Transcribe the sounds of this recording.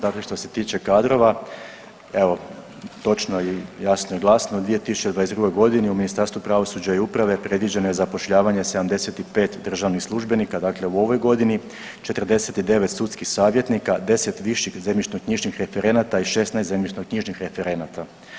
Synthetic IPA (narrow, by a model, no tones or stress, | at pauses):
d̪akle̞ʃt̪o̞se̞t̪iːt͡ʃe̞kad̪ɾo̞ʋa | eʋo̞ | t̪o̞t͡ʃnojijasnojeɡlˠaːsnoud̪ʋie̞t̪isu̥t͡ʃed̪ʋajezd̪ɾuɡo̞jɡo̞d̪iniuminist̪aɾst̪ʋupɾaʋo̞sud͡ʑaiupɾaʋe̞pɾe̞d̪ʋid͡ʑe̞no̞jezapo̞ʃʎaːʋaɲe̞se̞d̪amd̪e̞se̞t̪ipe̞ːt̪d̪r̩ʒaʋnixslˠuʒbe̞nikad̪akle̞uo̞ʋo̞jɡo̞d̪ini | t͡ʃe̞t̪ər̩d̪e̞set̪id̪e̞ʋet̪sut̪skixsaːʋje̞t̪nikad̪e̞se̞t̪ʋiʃixzemʲit͡ʃnoɡ̚kɲiʒnixɾe̞fe̞ɾe̞nat̪aiʃe̞st̪najst̪zemʲit͡ʃnoɡ̚kɲiʒnixɾe̞fe̞ɾe̞nat̪a